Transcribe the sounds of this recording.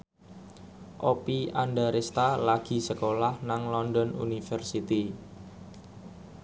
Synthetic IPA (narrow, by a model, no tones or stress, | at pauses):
ʔopiandaɾest̪alaɡ̥i̤səkolahnaŋlɔndɔnṵnifərsit̪i